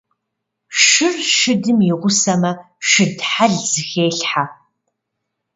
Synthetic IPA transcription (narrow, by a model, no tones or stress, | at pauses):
ʂʃɨrʃɨdɨmjɪʁʷʊsɐmɐ | ʃɨdħaɮz̥ɨxeːɬħa